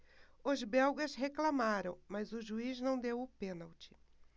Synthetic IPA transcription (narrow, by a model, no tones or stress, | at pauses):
ʊzbɛwɡɐʃɦeklamaɾɐ̰̃w̃mɐzʊʒuiznɐ̃w̃d̪ewʊpẽnawt͡ʃɪ̥